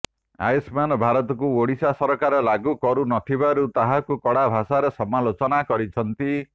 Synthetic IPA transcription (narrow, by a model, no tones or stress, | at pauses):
a̰jsmanɔbʱaɾɔt̪ɔkuoɽisasɔɾɔkaɾɔlaɡukɔɾunɔt̪ʰibaɾut̪aɦakukɔɽabʱasaɾesɔmalot͡ʃɔnakɔɾit͡ʃʰɔnt̪i